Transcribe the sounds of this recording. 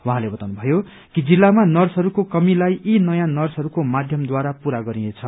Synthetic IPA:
wãɦãlebʌt̪awnubʱʌjo | kid͡zilːamanʌrsɦʌɾukokʌmilajʔinʌjãnʌrsɦʌɾukomad̪ʱjʌmd̪waɾapuɾaɡʌɾiet͡sʰʌ

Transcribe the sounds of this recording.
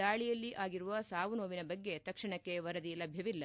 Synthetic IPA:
aːɭijɐlːiʔaːɡiɾuʋɐsaːʋunoːʋinɐbɐɡːe̞t̪ɐkʂɐɳɐkːe̞ʋɐɾɐd̪ilɐbʱjɐʋilːɐ

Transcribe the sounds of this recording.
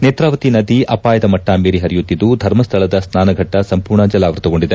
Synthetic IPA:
neːt̪ɾaːʋɐt̪inɐd̪iɐpaːjɐd̪ɐmɐʈːaːmiːɾiɦɐɾijut̪ːid̪ːud̪ʱɐɾmɐst̪ʰɐɭɐd̪ɐsnaːnɐɡʱɐʈːɐsɐmpuːɾɳɐd͡ʒɐlaːʋɐɾt̪ɐɡo̞ɳɖid̪e

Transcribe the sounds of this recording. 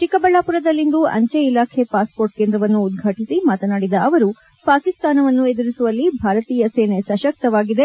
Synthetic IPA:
t͡ʃikɐbɐɭːaːpuɾɐd̪ɐlːind̪uʔɐ̰ɲt͡ʃeilaːkʰe̞paːspoːɾʈ̚keːnd̪ɾɐʋɐnːuːd̪̚ɡʱɐʈisimaːt̪ɐnaːɽid̪ɐːʋɐɾu | paːkist̪aːnɐʋɐnːued̪uɾisuʋɐlːibʱaːɾɐt̪iːjɐseːnesɐʃɐk̚t̪ɐʋaːɡid̪e̞

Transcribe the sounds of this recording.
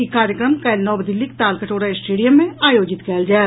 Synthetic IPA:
ikaːɾjəkɾəmkɐɪlnɔːbd̪ɪlːik̚t̪aːlkəʈoːɽaesʈeːɖijəmːẽaːjoːd͡ʒɪt̪kɛːld͡ʒaːe

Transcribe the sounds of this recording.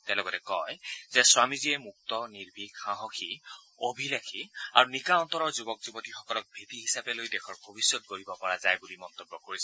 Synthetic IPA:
tɛ̃lɔɡɔtɛkɔjzɛswamiziɛmuk̚tɔniɹbʱikxaɦɔkʰi | obʱilakʰia̰ɹunikaɔnt̪ɔɹɔɹzubɔkzubɔtixɔkɔlɔk̚bʱetiɦisapɛlojdɛkʰɔɹbʱobisjɔt̚ɡoɹibɔpɔɹazajbulimɔnt̪ɔbːɔkoɹisɛ

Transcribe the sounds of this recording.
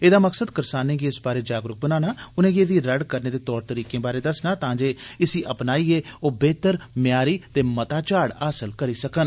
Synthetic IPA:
eːd̪aːməksəd̪kəɾsaːnẽːɡiːɪsbaːɾeːd͡ʒaːɡɾʊk̚bənaːnaːʊnẽːɡeːd̪iːɾəɽkəɾneːd̪eːt̪ɔːɾt̪əɾiːkẽːbaːɾeːd̪əsnãːt̪ãːd͡ʒeːɪsiːʔəpnaːiːeːoːbeːt̪əɾmjaːɾiːt̪eːmət̪aːt͡ʃaːɽaːsəlkəɾiːsəkən

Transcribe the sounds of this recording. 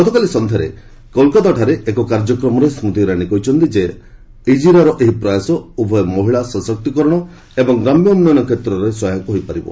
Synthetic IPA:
ɡɔt̪ʰɔkalisɔnd̪ʱaɾḛ | kɔlkɔt̪aʈʰaɾeʔekɔkaɾd͡ʒɔkɾɔmɔɾesmut̪iɾaɽ̃ikɔɦit͡ʃʰɔnt̪id͡ʒe | id͡ʒiɾaɾɔʔeɦipɾɔjasɔubʱɔjɔmoɦiɭasɔsɔk̚t̪ikɔɾɔɽ̃ɔ | ebɔŋɡɾamjɔumnɔnɔkʰet̪ɾɔɾesɔjakɦojpaɾibɔ̰

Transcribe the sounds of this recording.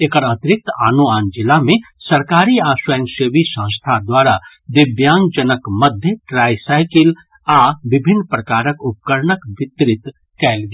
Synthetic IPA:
eːkəɾət̪ɪɾɪk̚t̪aːnoaːnd͡ʒɪlamẽsɐɾkaːɾiaːswəjə̃ŋsəʋisə̃ːst̪ʰad̪waːɾa | d̪ɪbjaːŋɡd͡ʒənəkmɐd̪ʱjəʈɾaːjsaːɪkɪl | aːʋɪbʱɪnːpɾɐkaːɾəkʊp̚kəɾɳəkʋɪt̪ɾɪt̪ | kɛːlɡi

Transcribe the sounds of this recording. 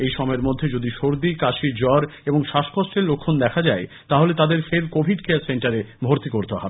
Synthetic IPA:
ejʃɔmɔeɾmod̪ʱːed͡ʑod̪iʃoɾd̪ikaʃid͡ʑɔɾeboŋʃaʃkoʃʈeɾlokʰːond̪ɛkʰad͡ʑae | t̪aɦolet̪ad̪eɾfeɾkobʱiɖkeaseɳʈaɾebʱoɾt̪ikoɾt̪eɦɔbe

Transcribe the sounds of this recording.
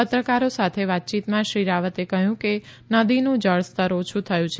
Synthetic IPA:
pət̪ɾəkaɾosat̪ʰeʋat̪̚t͡ʃit̪mãʃɾiɾaʋət̪ekəɦjũke | nəd̪inũd͡ʒəɭst̪əɾot͡ʃʰũt̪ʰəjũt͡ʃʰ

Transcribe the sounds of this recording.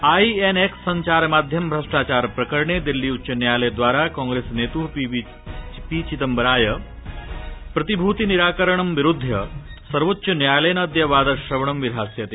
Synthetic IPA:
aːieneksɐɲt͡ʃaːɾmaːd̪ʱjɐmbʱɾɐʂʈaːt͡ʃaːɾpɾɐkəɾɳed̪ilːiutːt͡ʃɐnjaːjlejd̪ʋaːɾakɔ̃ːŋɡɾesnet̪up | pit͡ʃit̪ɐmbɾaːjə | pɾɐt̪ibʱuːt̪iniɾaːkəɾəɳ̃ɐmʋiɾud̪ʱːjɐsɐɾʋot̪ːɕɐnjaːjlejnɐːd̪jɐʋaːd̪ɐʃɾɐʋɳ̃ɐmʋiɾɦaːsjɐt̪eː

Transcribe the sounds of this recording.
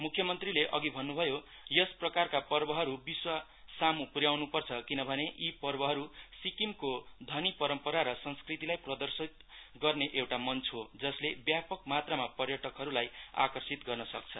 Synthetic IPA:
mukʰjʌmʌnt̪rileʔʌɡibʱʌnːubʱʌjo | jʌsprʌkarkapʌrbʌɦʌɾubiswa | samupuɾjawnupʌrt͡sʰʌkinʌbʱʌneʔipʌrbʌɦʌɾusikimkod̪ʱʌnipʌɾʌmpʌɾaɾʌsʌnskrit̪ilajprʌd̪ʌrsit̪̚ɡʌrneʔewʈamʌnt͡sʰɦod͡zʌslebjapʌk̚mat̪ramapʌrjʌʈʌkɦʌɾulaja̰kʌrsit̪ɡʌrnʌsʌk̚t͡sʰʌ

